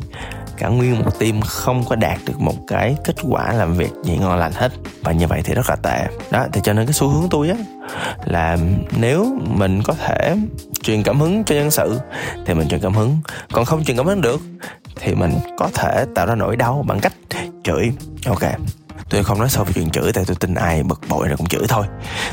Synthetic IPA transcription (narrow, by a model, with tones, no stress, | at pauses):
kaː˧˩ŋwi˧ənmo˨˩t̚t̪i˧mxə˧wŋ͡mkɔ˨˦ɗaː˨˩t̚ɗɨ˨˩ək̚mo˨˩t̚kaː˨˦jke˦˥t̚kwa̰ː˧˩laː˨˩mvḭ˨˩ək̚zḭ˨˩ŋɔ˧nla˨˩jŋ̟he˦˥t̚vaː˨˩ɲɨ˧və̰˧˨jt̪ʰi˨˩zə˦˥laː˨˩t̪ḛ˧˨ɗɔ˨˦t̪ʰi˨˩t͡ɕɔ˧ne˧nkaː˨˦jsu˨˦hɨ˨˦əŋt̪u˧jʔaː˨˦ | laː˨˩ne˨˦wmï˨˩ŋ̟kɔ˨˦t̪ʰe˧˩t͡ɕwi˨ənkaː˧˩mhɨ˨˦ŋt͡ɕɔ˧zə˧nsɨ̰˧˨t̪ʰi˨˩mï˨˩ŋ̟wḭ˨˩nkaː˧˩mhɨ˨˦ŋkɔ˨˩nxə˧wŋ͡mt͡ɕwi˨nkaː˧˩mhɨ˨˦ŋɗɨ˨˩ək̚t̪ʰi˨˩mï˨˩ŋ̟kɔ˨˦t̪ʰe˧˩t̪a̰ː˧˨wzaː˧no̰˧˩jɗa˧wɓa˧˩ŋka˦˥jk̟̚t͡ɕɨ˧˩jʔo˧wke˧t̪u˧xə˧wŋ͡mnɔ˨˦jsa˧wviː˨˦t͡ɕwi˧˨nt͡ɕɨ˧˩t̪a̰ː˧˨jt̪u˧jt̪i˧ŋ̟ʔaː˧jɓə˨˩k̚ɓo̰˧˨jkʊ̰˧˥ŋ͡mt͡ɕɨ̰˧˩˥t̪ʰo˧j